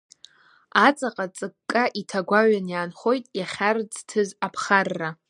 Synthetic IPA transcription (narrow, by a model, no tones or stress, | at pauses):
at͡sʼaqʼat͡sʼɨkkʼːaʔitʰaɡʷaɥanjaːnχo̞jtʼjaχʲard͡ztʰɨzapʰχarːa